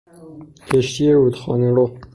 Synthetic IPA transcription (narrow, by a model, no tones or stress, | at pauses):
kʰeʃt̪ʰieɾud̪xɒːneɾo